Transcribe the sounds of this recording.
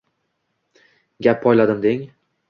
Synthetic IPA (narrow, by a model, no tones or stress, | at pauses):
ɡʲapʰːɒjlad̪ɪmd̪eŋ